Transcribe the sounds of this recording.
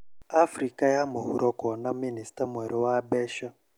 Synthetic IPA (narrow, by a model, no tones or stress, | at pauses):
afrikajamuɦuɾʔɔkɔnaministamɛɾɛwabɛːʃa